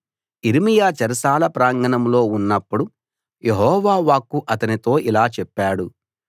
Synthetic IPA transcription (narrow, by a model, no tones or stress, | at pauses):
iɾimijaːt͡ʃɐɾɐsaːlɐpɾaːŋɡɐnɐmlo̞ːunːɐpːuɽu | jeɦɔːʋaːʋaːkːuʔɐt̪ɐnit̪o̞ːʔilaːt͡ʃɛpːaːɽu